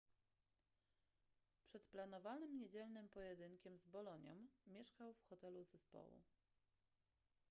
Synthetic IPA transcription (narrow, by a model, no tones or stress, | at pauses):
pʂɛt̪plan̪ɔvanɘmɲed͡ʑɛlnɘmpɔjɛd̪ɘŋkʲɛmzbɔlɔɲɔ̰mːʲjɛʂkawfxɔt̪ɛluzɛspɔ̰wṵ